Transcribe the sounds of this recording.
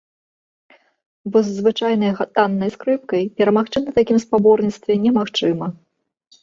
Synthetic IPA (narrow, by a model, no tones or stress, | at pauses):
bɔzːvɨt͡ʂajnɐjɣat̪anːɐjskɾɨp̚kɐjpʲɛɾɐmaxt͡ʂɨnɐt̪akʲimspabɔrnʲit̪st̪vʲɛnʲɛmaxt͡ʂɨmɐ